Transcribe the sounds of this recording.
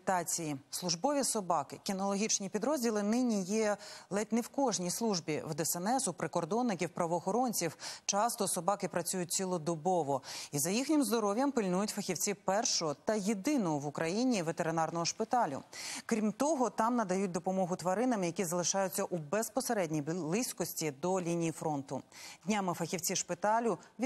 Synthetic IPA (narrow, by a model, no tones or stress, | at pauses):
t̪ɑt͡sʲijislˠʊʒbɔʋʲisɔbɑkɪkʲinɔlˠɔɦʲit͡ʃnʲipʲid̪ɾɔzʲdʲilˠɪnɪnʲijɛlˠɛt̪ʲnɪwkɔʒnʲijslˠuʒbʲiwd̪ɛsɛnɛsʊpɾɪkɔrd̪ɔnːɪkʲiwpɾɐʋɔːxɔɾɔnʲt͡sʲiwt͡ʃɑst̪ɔsɔbɑkɪpɾɐt͡sʲujʊt̚ʲt͡sʲilˠɔd̪ɔbɔʋɔizɐjixnʲɪmzd̪ɔɾɔʋʲjɐmpɪlʲnujʊtʲfɐxʲiwt͡sʲiwpɛrʃɔɔt̪ɐjed̪ɪnɔʋʊkɾɐjinʲiʋet̪eɾɪnɑrnɔɦɔʃpɪt̪ɑlʲʊ̰kɾʲimt̪ɔɦɔt̪ɑmnɐd̪ɐjut̚ʲd̪ɔpɔmɔɦʊt̪ʋɐɾɪnɐmɪjɐkʲizɐlˠɪʃɑjʊt͡sʲːɐʔubɛspɔseɾɛdʲnʲijbblˠɪsʲkɔsʲtʲid̪ɔlʲinʲijifɾɔnt̪ʊdʲnʲamɪfɐxʲiwt͡sʲiʃpɪt̪ɑlʲʊʋʲ